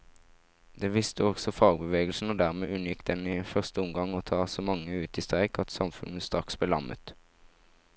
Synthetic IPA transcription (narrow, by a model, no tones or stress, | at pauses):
d̪̥eːʋɪst̪əɔɡsɔfɑːɡbəʋeːɡlsn̩oːd̪æʁmeːʔʉnjɪkd̪ɛnɪːfœʁst̪əʊmɡɑŋoːt̪ʰɑːsoːmɑŋːəʉːt̪iːst̪ʁæɪkʰɑt̪sɑmfʉ̰n̩st̪ʁɑksbəlɑ̰mə̰t̪